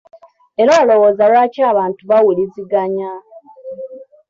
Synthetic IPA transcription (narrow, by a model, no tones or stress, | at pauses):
e̞ɾaːlo̞woːzaɾwaːcaːβaːntuβawuliziɡaɲa